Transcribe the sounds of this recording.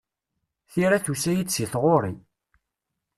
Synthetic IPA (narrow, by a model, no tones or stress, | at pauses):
θiɾæθusæjisiθʁoɾˤi